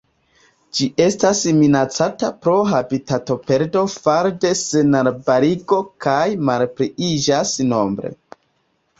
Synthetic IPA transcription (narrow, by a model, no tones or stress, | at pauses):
d͡ʒiʔe̞stasminat͡satapɾo̞ɦabitato̞pe̞ɾdo̞faɾde̞senaɾbaɾiɡo̞kajmalpɾiid͡ʒasno̞mbɾe̞̰